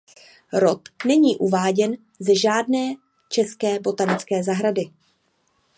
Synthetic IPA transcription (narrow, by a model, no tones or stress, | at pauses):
ɾo̞t̪nɛɲiːʔuvaːɟɛn | zɛʒaːdnɛː | t͡ʃɛskɛːbo̞t̪anɪt͡skɛːzaɦɾadɪ